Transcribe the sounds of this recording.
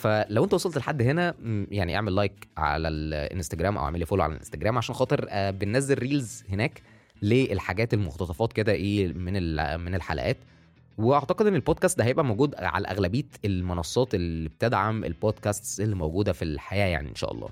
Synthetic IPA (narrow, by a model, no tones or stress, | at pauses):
fælæwʔent̪æwɑsˤɑlt̪elħad̪ːɦenæjaʕniʔḛʕmelːɑjkʕa̰lælʔḛnst̪æɡɾæːmʔæ̰wʔḛʕmelifoːloʕa̰læ̰lʔḛnst̪æɡɾæːmʕaʃæːnxɑːt̪ˤeɾæːbenːæzːelːiːlzhenæːk | leelħaɡæːt̪elmoxt̪ɑt̪ˤɑfɑːt̪ked̪æʔeːmenelmenelħa̰læ̰ʔæ̰ːt̪ | weʔɑʕt̪ɑqed̪ʔenːelboːd̪̚kæːst̪d̪æhæjebʔæmoɡuːd̪ʕa̰læ̰ʔæ̰ɣlæbiːt̪elmonɑsˤːɑːt̪elib̚t̪æd̪ʕamḛlbod̪kæst̪sʔelːimowɡuːd̪æfilħajæːja̰ʕnḭʔḛnʃæ̰ʔɑ̰lˤːɑ̰ː